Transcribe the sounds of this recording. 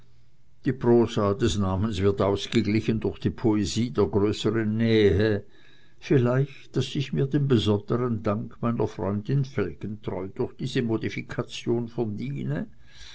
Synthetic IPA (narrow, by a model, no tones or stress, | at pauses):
d̥iːpʁoːsaːd̥ɛsnaːmənsv̥ɪɐtaʊsɡ̥əɡlɪçəndʊʁxd̥iːpʰoeziːdeːɐɡʁøːsəʁənːɛːɦə | fɪlaɪçtd̥asɪçmiːɐdenbəzɔnd̥əʁəndaŋkʰmaɪnɐfʁ̥ɔ̰ʏndɪnfɛlkəntʁɔʏd̥ʊʁxd̥iːzəmodifikʰat͡sjoːnfɛɐndiːnə